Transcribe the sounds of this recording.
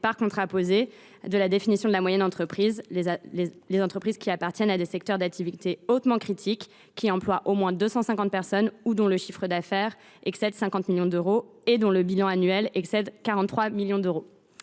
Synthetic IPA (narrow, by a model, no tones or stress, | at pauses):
paʁkɔ̃t̪χapoze | d̪əlad̪efinisjɔ̃d̪əlamwajɛnɑ̃t̪χəpχiz | lezɑ̃t̪χəpχizkʲiapaʁt̪ʰʲjɛnad̪esɛk̚t̪œʁd̪ak̚t̪ʰivit̪eot̪mɑ̃kχit̪ʰikːʲ | iɑ̃plwaʔomwɛ̃d̪øsɑ̃sɛ̃kɑ̃t̪̚pɛʁsɔnud̪ɔ̃ləʃifχəd̪afɛʁ | ɛksɛd̪sɛ̃kɑ̃t̪miljɔ̃d̪øʁoed̪ɔ̃ləbilɑ̃anɥɛlɛksɛd̪kaʁɑ̃t̪ːχwamiljɔ̃d̪øʁo